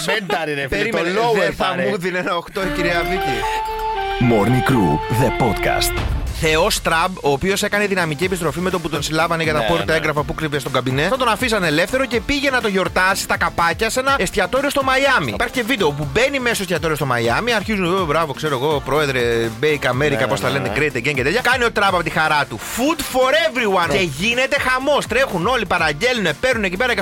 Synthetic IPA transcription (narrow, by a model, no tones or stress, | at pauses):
ɐɾipeɾimloweθɐmuðinenɐoxt̪oiciɾiɐvic̪i | moɾnikɾuðepot̪kɐ̰st̪θe̞ost̪ɾɐbo̞ːpio̞se̞kɐneðinɐmicie̞pist̪ɾo̞fime̞t̪op̬ut̪o̞nsilɐvɐneʝɐt̪ɐpoɾt̪ɐeŋɡɾɐfɐpukɾivest̪o̞ŋɡɐbinesɐt̪o̞nɐfisɐne̞le̞fθe̞ɾo̞ce̞piʝe̞nɐt̪o̞ʝo̞ɾt̪ɐsi̥st̪ɐkɐpɐcɐse̞nɐest̪çɐt̪o̞ɾiost̪o̞mɐiɐmḭipɐɾçice̞vid̪e̞op̬ube̞nimesost̪çɐt̪o̞ɾiost̪o̞mɐ̰jɐmiɐɾçizunðobɾɐvo̞kse̞ɾoeɣo̞pɾo̞e̞ðɾe̞bejikɐme̞ɾikɐpo̞st̪ɐleneɡɾejt̪eɡencet̪et̪çɐkɐnio̞t̪ɾɐpɐpo̞t̪ixɐɾɐt̪ufud̪fo̞ɾevɾiwɐneʝine̞t̪e̞xɐmo̞st̪ɾe̞xuno̞lipɐɾɐɟe̞lunepe̞ɾnune̞cipe̞ɾɐce